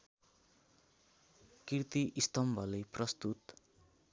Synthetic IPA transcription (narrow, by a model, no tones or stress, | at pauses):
kirt̪iʔist̪ʌmbʱʌleprʌst̪ut̪